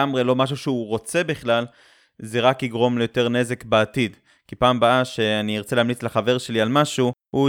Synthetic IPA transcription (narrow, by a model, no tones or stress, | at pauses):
amʁelo̞maʃ̬uʃeuʁo̞t͡se̞biχlal | zeʁakiɡʁo̞mlejo̞te̞ʁne̞ze̞kbeatid | kipaːmbaaʃe̞aniiʁt͡seleamlit͡sleχave̞ʁʃe̞lialmaʃuhu